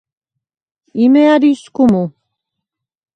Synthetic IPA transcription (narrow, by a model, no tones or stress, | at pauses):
imɛaɾiskumu